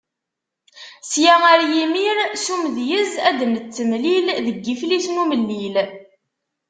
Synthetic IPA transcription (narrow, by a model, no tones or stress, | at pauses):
sjææɾjimiɾsumðjəzæd̪əmət͡sːəmlilðəɡːifliθnuməlːil